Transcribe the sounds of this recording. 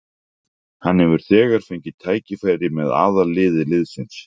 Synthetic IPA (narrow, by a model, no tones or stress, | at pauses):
hanːhɛvʏɾ̥θɛːɣaɾ̥fœɥɲcɪt̪ʰaːjcɪfaːjɾɪmɛða̰ːðalɪːðɪlɪðsɪns